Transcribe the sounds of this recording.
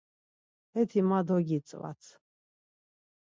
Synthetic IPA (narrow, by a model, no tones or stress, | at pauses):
ɛt̪ʰimad̪ɔɡit͡sʼwa̰sʰ